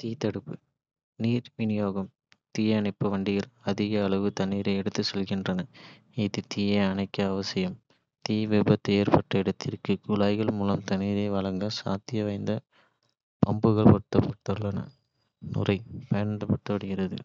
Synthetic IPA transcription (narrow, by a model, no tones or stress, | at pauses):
t̪iːt̪ɐɽɯpːɯ | niːɾʋɪnɪjoːɣɐm | t̪iːjɐɳɐɪpːɯʋɐɳɖɪɣɐɭɐðɪɣɐːɭɐʋɯt̪ɐnːiːɾɐɪɛɽɯt̪ːɯsɛlɣɪndrɐnɐ | ɪðɯt̪iːjɐɪɐnɐɪkːɐːʋɐsɪjɐm | t̪iːʋɪbɐt̪ːeːɾpɐʈrɐɪɽɐt̪ːɪrkɯkʊlaːɪɣɐɭmuːlɐmt̪ɐniːɾɐɪʋɐɭɐŋɡɐsa̰ːt̪ɪjɐʋɐɪnd̪ɐ | pɐmbɯɣɐɭpɔʈ̪ːɐpːɔt̪ːɐɭːɐnɐ̰ | nʊ̰rɐɪpɐjɐnnd̪ɐpɐʈ̪ːɐʋɐɽɯɣɪɾɐðɯ̰